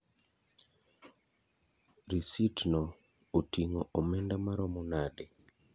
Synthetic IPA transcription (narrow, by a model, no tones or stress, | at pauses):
ɾisitnɔ | otiŋoʔomɛndamaɾɔmɔnade